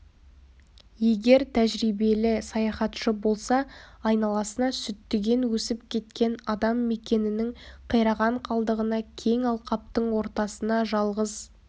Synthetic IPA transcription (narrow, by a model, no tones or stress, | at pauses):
je̞ɡʲe̞ɾt̪ʰæʒɾijbe̞lɪsɑjɑχɑt̪ʃəbo̞lˠsɑɑjnɑlˠɑsənɑsʏt̪ːɪɡʲe̞nwɵsɪpkʲʰe̞t̪kʲe̞nɑd̪ɑmːe̞kʲe̞nɪnɪŋqʰəjɾɑʁɑɴqʰɑlˠd̪əʁənɑkʲʰe̞ŋɑlˠqɑp̚t̪əɴwo̞ɾt̪ɑsənɑʒɑlˠʁəz